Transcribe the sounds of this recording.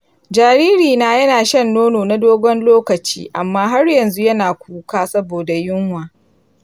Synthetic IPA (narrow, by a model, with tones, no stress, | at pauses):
d͡ʒaː˨ɾiː˦ɾiː˨naː˨jɐ˦naː˨ʃɐ˦nːoː˦noː˨na˦doː˦ɡʷɔ˦nloː˦kɐ˨t͡ʃḭː˦ʔa˨mːaː˦ɦa˦rjɐ˨nzu˦jɐ˦naː˨kʷuː˦kaː˦sɐ˦boː˨da˨jʊ˦ŋhwaː˨